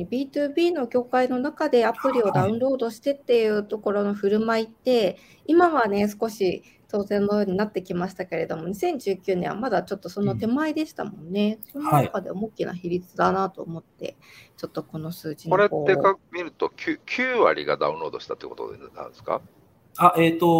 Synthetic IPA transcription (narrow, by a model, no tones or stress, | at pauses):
bʲiːt̪ɯːbʲiːno̞ɡʲo̞ːkaino̞nakad̪e̞apɯ̟ɾʲio̞d̪aɯ̟̃nɾo̞ːd̪o̞ɕi̥t̪e̞t̪ːe̞jɯ̟ːt̪o̞ko̞ɾo̞no̞ɸɯ̟ɾɯ̟mait̪ːe̞ | imaβane̞sɨ̥ko̞ɕi | t̪o̞ːzẽ̞nːo̞jo̞ːɲ̟inat̪ːe̞kʲimaɕi̥t̪ake̞ɾe̞d̪o̞mo̞ɲ̟isẽ̞ɲ̟d͡ʑɨːkʲɨɯ̟ːnẽ̞βa̰mad̪at͡ɕo̞t̪ːo̞so̞no̞t̪e̞maid̪e̞ɕi̥t̪a̰mõ̞̰nːe̞soononakad̪e̞̰omokʲina̰çiɾʲit͡sɨd̪anat̪o̞ːmo̞t̪ːe̞̰t͡ɕo̞t̪ːo̞ko̞no̞sɨːd͡ʑikoɾeekakɯmʲiɾɯ̟t̪o̞kʲʰɨːkʲʰɨːβa̰ɾʲḭɡa̰d̪a̰ɯ̰̃ɾo̞ːd̪o̞ɕi̥t̪at̪ḛkot̪o̰d̪enã̰nsɨ̥ka̰ | aʔet̪o